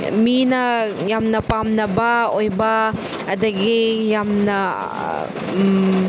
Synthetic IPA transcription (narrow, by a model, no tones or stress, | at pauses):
minɐjamnɐpamnɐbɐojbɐ | ɐdɐɡijamnɐ